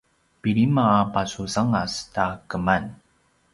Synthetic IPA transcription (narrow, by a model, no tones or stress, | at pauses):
piɭimaːpasusaŋastakəman